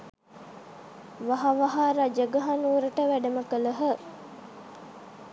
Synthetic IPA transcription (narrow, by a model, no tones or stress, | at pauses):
ʋaɦaʋaɦaɾad͡ʒəɡəɦanuːɾəʈəʋæɖəməkələɦə